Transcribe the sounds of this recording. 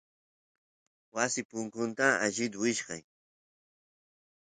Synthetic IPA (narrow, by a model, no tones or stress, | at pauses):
wasɪpʊŋkʊnt̪aaʒɪd̪wɪʃɢɑ̰j